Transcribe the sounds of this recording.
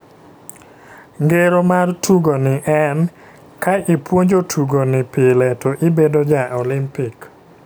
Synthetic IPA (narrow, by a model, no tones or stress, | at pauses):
ŋɡeɾomartuɡonɪʔɛn | kaʔɪpwoɲd͡ʒotʰuɡonɪpɪlɛtʰoʔɪbedod͡ʒaʔɔlɪmpik